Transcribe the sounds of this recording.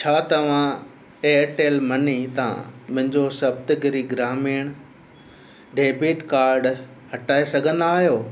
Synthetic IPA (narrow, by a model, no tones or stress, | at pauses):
t͡ɕʰaːt̪ɐʋ̤ã | eːʈeːlmɐnit̪ã̰mʊ̃ɦɪ̃ɲd͡ʑosɐb̚t̪ɡʱɪɾiɡɾaːmiːɽ̃ | ɖeːbiːʈkaːɾɖ | hɐʈaːesɐɡʱə̃nd̪aːɦijoː